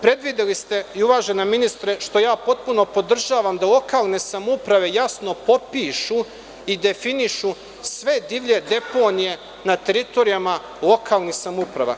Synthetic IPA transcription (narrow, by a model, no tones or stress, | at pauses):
pɾe̞d̪ʋid̪elist̪e̞iuʋaːʒenaminist̪ɾeʃt̪o̞jaːpo̞t̪̚puno̞po̞d̪r̩ʒaːʋamd̪alˠo̞kaːlˠne̞samupɾaʋe̞jasno̞po̞piːʃu | id̪e̞finiʃu | sʋe̞d̪iʋʎe̞d̪e̞po̞ːnije̞ | nat̪e̞ɾit̪o̞ɾijama | lˠo̞kʰaːlˠnixsamupɾaʋa̰